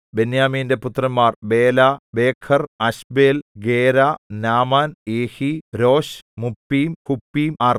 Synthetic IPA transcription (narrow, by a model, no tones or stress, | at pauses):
benjaːmiːnde̞put̪ːrɐmːaːrbe̞ːlabe̞ːkʰɐrɐɕbeːlɡeːɾaːnaːmaːneːhiɾo̞ːɕmupːiːmkupːiːmaːr